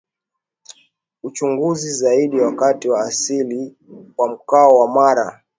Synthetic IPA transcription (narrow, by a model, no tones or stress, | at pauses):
ut͡ʃuŋɡuzizaiɗiwakatiwaːsili | wam̩kaɔwamaɾa̰